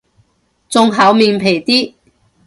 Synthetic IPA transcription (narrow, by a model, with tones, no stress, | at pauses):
t͡sʊ˧ŋɦɐ˨˥wmiː˨˧npʰe˨˩jt̪iː˥